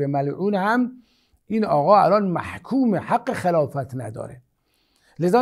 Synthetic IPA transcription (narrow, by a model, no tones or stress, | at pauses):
emælʕuːnhæm | ʔiːnɒːɣɒːælɒnmæ̰hkʰuːmehæɡːexelɒːfæt̪ʰnæd̪ɒ̰ːɾe | lezɒː